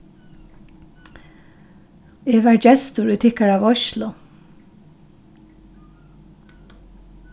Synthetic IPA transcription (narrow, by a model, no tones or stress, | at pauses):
eːʋaːɹd͡ʒɛst̪ʊɹʉt̪ʰɪkaɹaːʋɔʃlʊ